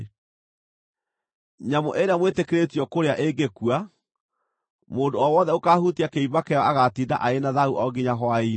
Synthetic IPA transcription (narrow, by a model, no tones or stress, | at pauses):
ɲamoʔeɾeamwetekeɾetiɔkoɾeaʔeŋɡekua | moːndoɔwɔːðɛokahutiakeibakɛɔaɣatiːnda̰ʔaenaðauʔɔɡiɲaɦwai